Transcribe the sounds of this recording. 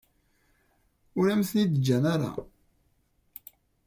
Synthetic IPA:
ʊɾæmθnid̪əd͡ʒːænaɾa̰

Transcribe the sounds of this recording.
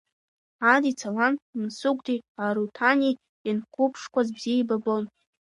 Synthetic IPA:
adit͡sʰalannsuɡʷtʰiaɾutʰani | inkʷʰʊpʰʂkʷazbziejbabon

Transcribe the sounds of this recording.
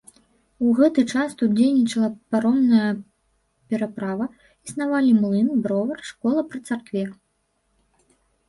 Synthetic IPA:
uɣɛt̪ɨt͡ʂast̪ut̪d͡zʲejnʲit͡ʂɐlˠɐpaɾɔnːɐjɐ | pʲɛɾapɾavɐ | isnavalʲimlˠɨnbɾɔvɐrʂkɔlˠɐpɾɨt̪sarkvʲɛ

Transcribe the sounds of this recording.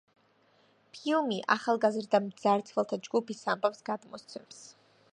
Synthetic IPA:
pʰiumiʔaχalˠɡazɾd̪amd̪zaɾt̪sʰχɛlˠt̪ʰad͡ʒɡupʰisambʼafsɡad̪mɔst̪sʰɛms

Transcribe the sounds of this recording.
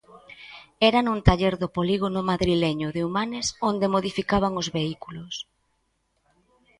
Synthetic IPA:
ɛɾanunt̪aʎɛɾðʊpoliɣ̞onʊmaðɾilɛɲʊðeumanɪsond̪emoðifikaβ̞aŋozβeikulʊs

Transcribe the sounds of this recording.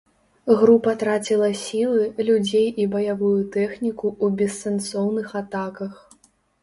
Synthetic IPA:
ɣɾupɐt̪ɾat͡sʲilˠɐsʲilˠɨlʲud͡zʲejibɐjavujut̪ɛxnʲikuːbʲɛsːɛnsɔwnɨxat̪akɐx

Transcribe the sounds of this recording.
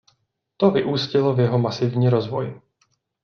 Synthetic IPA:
t̪ovɪʔuːscɪlovjɛɦomasɪvɲiːɾozvo̞j

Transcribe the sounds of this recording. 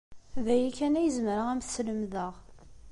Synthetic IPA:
væjikːænæjəzməɾəʁæmθsləmðəʁ

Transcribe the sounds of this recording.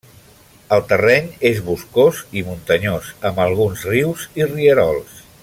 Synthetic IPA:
əlˠt̪ərɛɲezβuskozimunt̪əɲozəmbəlˠɣ̞unzriwziriəɾɔlˠs

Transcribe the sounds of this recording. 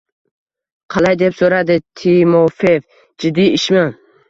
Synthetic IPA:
qʰɑlˠajd̪e̞psoɾad̪ɪt̪ʰimofev | d͡ʒɪd̪ːiɪʃman

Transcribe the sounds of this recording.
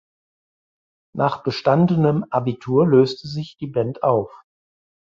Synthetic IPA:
nʔaːχb̥əʃtandənəmʔabitʰuːɐløːstʰəzɪçd̥iːbɛntʔaʊf

